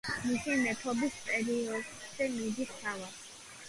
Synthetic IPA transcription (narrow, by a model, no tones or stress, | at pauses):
misimɛt̪ʰɔbispʼɛɾiɔd̪z̥ɛmid̪ist̪ʰavad̪